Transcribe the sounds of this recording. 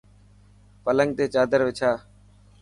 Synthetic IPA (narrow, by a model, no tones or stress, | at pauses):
pələŋɡ̚t̪eːt͡ʃaːd̪əɾʋɪt͡ʃʰaː